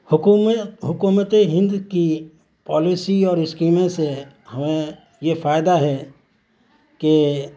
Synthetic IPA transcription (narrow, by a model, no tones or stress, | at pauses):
ɦʊkuːmət̪eɦɪ̃nd̪ki | pɔːlisiɔːɾɪskiːmẽse | həmẽ | jefʰaːɪd̪aɦɛ | ke